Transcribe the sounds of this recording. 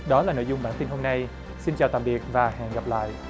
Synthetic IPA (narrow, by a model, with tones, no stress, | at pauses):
ɗɔ˨˦laː˨˩no̰˧˨jzʊ˨˩ŋ͡mɓaː˧˩nt̪i˧nɦo˧mna˧j | si˧nt͡ɕaː˨˩t̪aː˨mɓi˨˩ət̚vaː˨˩hɛ̰˧˨nɣa˨˩p̚la̰ː˧˨jʔ